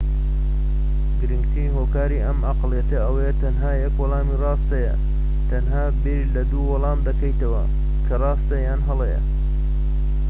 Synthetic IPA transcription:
ɡɨɾɨŋɡt̪ʰiːɦoːkaːɾiʔɐmaqlˠjɐt̪ɐɐwjɛt̪ɐnɦaːjɐkwɑlˠɑːmirɑːst̪ɐjɐ̰ | t̪ʰɐnɦaːbeɾilɐd̪uːwɐlˠɑːmd̪ɐkɐjt̪ɐwɐ̰ | kʰɐrɑːst̪ɐjaːnɦɐlˠejɐ̰

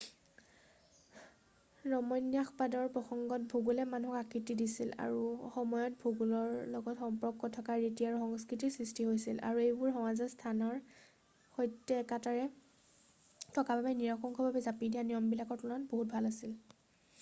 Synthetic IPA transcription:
ɹɔmɔjnjaxpadɔɹpɹɔxɔŋɡɔt̚bʱuɡulɛmanuɦɔkakitidisila̰ɹuxɔmɔjɔt̚bʱuɡulɔɹlɔɡɔtxɔmpɹɔkːɔtʰɔkaɹitiaɹuxɔŋskɹitisɹistiɦojsila̰ɹuejbʊɹɦɔwazɔstʰanɔɹ | xɔjtːɛːkataɹɛ | tɔkababɛniɹɔkɔŋkʰɔbabɛzapidijanijɔmbilakɔɹtulanboɦut̚bʱalasil

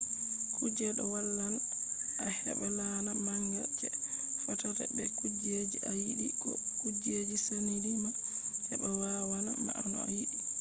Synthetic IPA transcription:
kʰud͡ʒɛɗɔwalːal | ʔahɛ̰ɓɛlanamanjɔt͡ʃːɛfɔtata̰bɛkud͡ʒed͡ʒiʔajiɗikɔ̰kud͡ʒed͡ʒisaniɾima | hɛbawawana̰ma̰anɔ̰a̰jiɗi

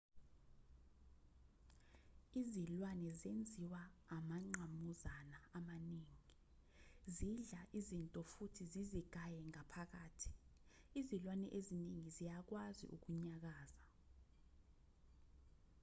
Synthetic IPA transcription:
izilwanɛzend͡zʱiwaːmaŋ͡ǃʱamuzanaːmaniːŋi | ziɮaʔizintʼɔfutʰiziziɡ̥ʱajɛŋapʰak̬aːtʰi̥ | izilwanɛʔeziniŋizijak̬wazḭʔṵk̬uɲak̬aːza

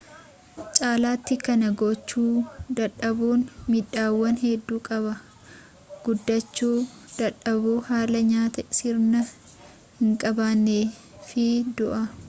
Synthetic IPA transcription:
t͡ʃʼaːlaːt̪ːɪkɐnɐɡɔt͡ʃːuːd̪ɐᶑɐbuːnmɪᶑaːwːɐnɦɛd̪ːuːkʼɐβɐ | ɡ̥ʊd̪ːɐt͡ʃːuːd̪̥ɐᶑɐbuːhaːlɐɲaːt̪ɐɪsɪɾnɐ | hɪŋkʼɐbaːnːeː | fɪd̪ʊʔɐ

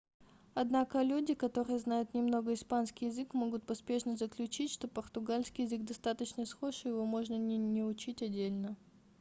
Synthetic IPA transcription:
ɐd̪nakəlʲudʲɪkɐt̪o̞ɾɨjəznajʊt̪nʲɪmno̞ɡəɪspanskʲɪjɪzɨkmo̞ɡʊt̪̚pɐspʲeʂnəzəklʲʉt͡ɕitʲʂt̪o̞pərt̪ʊɡalʲskʲɪjɪzɨɡ̚d̪ɐst̪at̪ət͡ɕnəsxoʂɨjɪvomo̞ʐnənʲɪnʲɪʊt͡ɕitʲɐdʲːelʲnə

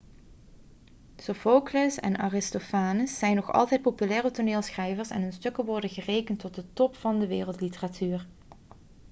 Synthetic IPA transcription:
sofowklosɛ̰na̰ːrɪstofaːnəsːɛjnːɔχɑ̰lˠtɛjt̚popylɛːrətoneːlˠsχrɛjvəɹsɛ̰nɦɵnstɵkəʋɔɹdənɣərejkəntːɔt̚dətɔpfɑndəʋɪːrəlˠtlitəratʰyːr

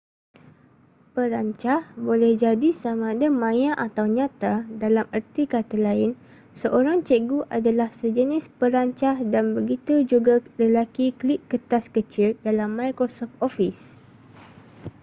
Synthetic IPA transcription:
pəɾaɲt͡ʃahbolɛhd͡ʒadisamãdəmãjãʔat̪awɲãt̪adalamərt̪ikat̪alaɪn | səʔoɾaŋt͡ʃəɡuʔadalahsəd͡ʒənɪspəɾaɲt͡ʃahdanbəɡit̪ud͡ʒuɡaləlakikliʔ̚kət̪askət͡ʃɪldalamːajkɾosɔft̪ofis

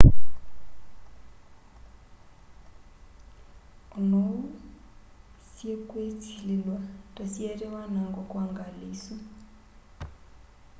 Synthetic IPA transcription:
unɔ | siekʼwetʰililwatʼɔsieriwanaŋɡɔkʼuaŋɡaliːsɔ

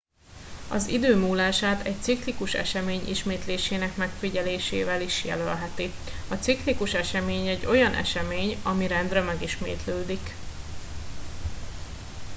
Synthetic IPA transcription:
ɒ̰zḭd̪øːmuːlaːʃaːt̪ɛc̚t̪siklikuʃɛ̰ʃɛmeːɲʔḭʃmeːt̪leːʃeːnɛkmɛkfiɟɛleːʃḛːvɛliʃjɛ̰lølɦɛt̪i | ɒt̪siklikuʃɛʃɛmeːɲɛɟːo̞jɒnʔɛ̰ʃɛmeːɲɒmiɾɛnd̪rɛmɛɡiʃmḛːt̪løːd̪ik

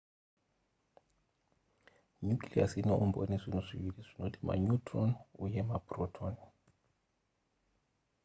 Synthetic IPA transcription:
ɲukliasinɔʔumbɔ̰nisʷinuʂiβiliʂinodima̰ɲutɾɔnujɛmaprɔtʰɔn

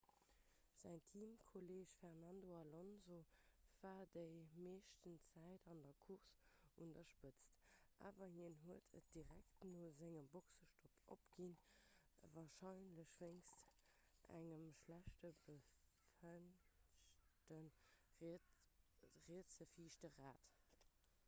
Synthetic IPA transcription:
z̥æŋtʰiːmkʰoleːʃfɛʁnɑndoɑlonzov̥aːdəɪmeːʃtənt͡sæɪdɑndɐkʰuʁsundɐʃpət͡stʔa̰ːvɐhiənɦuətʰə̰t̚d̥iʁæktnoːzɪŋəmboksəʃtʰopʔo̰pɡ̥in | əvaːʁʃɑɪnləʃv̥eŋst | ʔæ̰ŋəmʃlæʃtəbəfənʃtən | ʁiət͡səfiːʃtəʁaːt

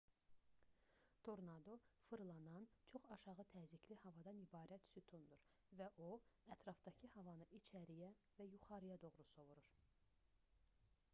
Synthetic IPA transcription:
t̪ʰoɾnɑd̪o̞fɯɾlˠɑnɑnt͡ʃʰo̞χɑʃɑʁɯt̪ʰæːzikʰlihɑvɑd̪ɑnibɑːɾæt̪syt̪ʰund̪uɾ | væʔoæt̪ʰɾɑfd̪̥ɑcʰɯhɑvɑnɯʔit͡ʃʰæɾijæ | væjuχɑɾɯjɑd̪o̞ɣɾuso̞vuɾuɾ̥

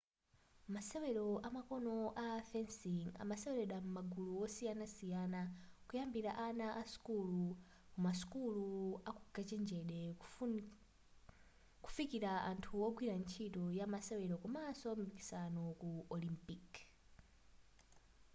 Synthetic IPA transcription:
masɛwɛɾɔʔamakɔnɔʔafɛnsiŋa̰masɛwɛɾɛɗamumaɡuluwɔsijanasijanakujambiɾaʔanaʔasu̥kulu | kumasu̥kuluakuɡat͡ʃɛnd͡ʒɛɗɛ | ku̥fikiɾaʔantʰuwɔɡwiɾant͡ʃʰitɔjamasɛwɛɾɔkɔmasɔmbiki̥sanɔkuʔɔlimpik

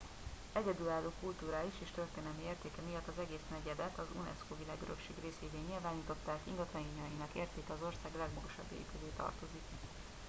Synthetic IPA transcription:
ɛɟɛd̪ylaːlːoːkult̪uːɾaːiʃeːʃt̪ørt̪eːnɛlmieːrt̪eːkɛmijɒt̪ːɒzɛɡeːsnɛɟɛd̪ɛt̪ɒzṵnɛ̰skovilaːɡøɾøkʃeːɡreːseːveːɲilvaːniːt̪o̞t̪ːaːkḭŋɡɒt̪lɒiːɲɒjinɒkḛːrt̪eːkɛɒzo̞rsaːɡlɛɡmɒɡoʃɒbːḛːpyleːt̪ɒ̰rt̪o̞zik

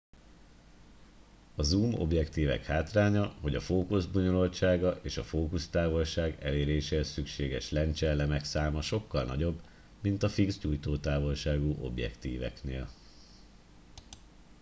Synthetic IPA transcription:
ɒzuːmo̞̰bjɛkt̪iːvɛ̰khaːt̪raːɲɒɦo̞ɟɒfoːkuzboɲo̞lo̞lt͡ʃaːɡɒʔeːʃɒfoːkust̪aːvo̞lʃaːɡɛleːɾeːʃɛɛsykʃeːɡɛʃlɛnt͡ʃɛlːɛmɛksaːmɒʃo̞kːɒlnɒ̰ɟo̞b | mint̪ɒfiɡzɟuːjt̪oːt̪aːvo̞lʃaːɡuʔo̞̰bjɛ̰kt̪ḭːvɛ̰knḛːl

